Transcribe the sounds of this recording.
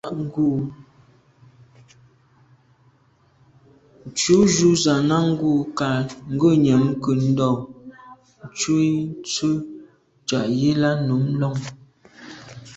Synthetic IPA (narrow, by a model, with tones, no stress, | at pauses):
ɡu˨ | n̩˨t͡ʃu˨˦ʒu˨˦za˨na˦ŋ̩˦ɡu˦˨ka˨ŋ̩˦ɡə˦˨ɲɛ˨mkə˨n̩˦dɔ˦˨ | n̩˨˦t͡ʃu˦i˦n˦t͡su˦ | t͡ʃa˨ʔje˦la˦nu˨˦m˦lɔ˦ŋ